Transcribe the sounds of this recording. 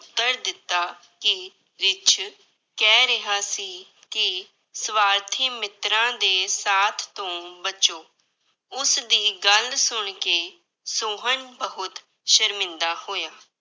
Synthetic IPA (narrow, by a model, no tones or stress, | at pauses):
t̪ːəɾd̪ɪt̪ːaː | kɪ | ɾɪt͡ʃʰ | kɛːɾɪɦaːsiː | kɪ | sʋaːɾt̪ʰiːmɪt̪ɾãːd̪eːsaːt̪ʰt̪õːbət͡ʃoː | ʊsd̪iːɡəlsʊɳkeː | soːɦəɳbəɦʊt̪ | ʃəɾmɪ̃nd̪aːhoːjaː